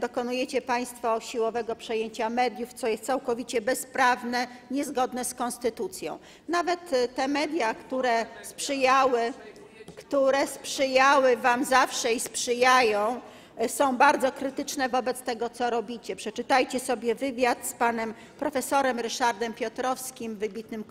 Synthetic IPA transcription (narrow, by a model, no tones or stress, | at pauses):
d̪ɔkɔnujɛt͡ɕɛpaj̃st̪fɔɕiwɔvɛɡɔpʂɛjeɲt͡ɕamɛd̪ʲjuft̪sɔjɛst̪sawkɔvʲit͡ɕɛbɛspɾavnɛ | ɲɛzɡɔd̪nɛskɔnst̪ɘt̪ut̪sʲjɔ̰̃w̃ | navɛt̪t̪ːɛmɛd̪ʲjakt̪uɾɛspʂɘjawɘ | kt̪uɾɛspʂɘjawɘvamzafʂɛispʂɘjajɔ̃w̃ | sɔ̃w̃baɾd̪zɔkɾɘt̪ɘt͡ʂnɛvɔbɛt̪st̪ɛɡɔt̪sɔɾɔbʲit͡ɕɛpʂɛt͡ʂɘt̪ajt͡ɕɛsɔbʲjɛvɘvʲjat̪spanɛm | pɾɔfɛsɔɾɛmɾɘʂaɾd̪ɛmpʲjɔt̪ɾɔfskʲimvɘbʲit̪̚nɘm